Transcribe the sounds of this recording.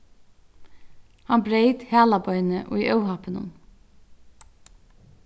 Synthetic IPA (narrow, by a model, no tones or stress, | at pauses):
hanbɾejt̪hæːlabɔʏnɪʔʊ̰jʔœwɦapɪnʊ̰n